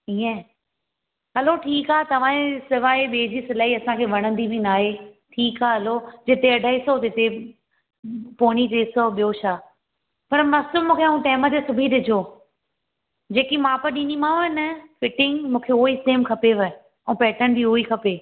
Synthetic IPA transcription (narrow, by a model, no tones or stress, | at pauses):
iːɛ̃ | ɦɐloʈʰiːkaːt̪ɐʋ̤ãẽsɪʋaːeɓeːd͡ʑisɪlaːiɐsãkʰeːʋɐɽ̃ə̃nd̪ibʱinaːɦe | ʈʰiːkaːɦɐlod͡ʑɪt̪eɐɖʱaːisot̪ɪt̪e | poːɽ̃it̪eːsoɓijoʃaː | pɐɾmɐslʊmũːkʰeɐɦũʈeːmət̪esʊbʱiɗɪd͡ʑʱoː | d͡ʑeːkimãːpɐɾɗĩːnimãɪnəfɪʈɪ̃ŋɡmũːkʰeoːisʈẽːmkʰɐpeʋɐ | ɛ̃ːpɛːʈənbiɦoːikʰɐpeː